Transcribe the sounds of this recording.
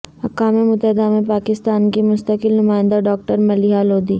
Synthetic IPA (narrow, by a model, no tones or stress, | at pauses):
hɐkaːmemʊt̪əɦɪd̪amẽpaːkɪst̪aːnkemʊst̪əkɪlnʊmaːɪ̃nd̪aɖɔːk̚ʈəɾmɐlɪɦaloːd̪iː